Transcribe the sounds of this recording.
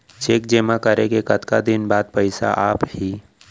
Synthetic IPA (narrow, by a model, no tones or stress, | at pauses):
t͡ʃeːkd͡ʒeːmakəɾekekət̪kad̪ɪnbaːd̪̚pəɪsa̰ʔaːphiː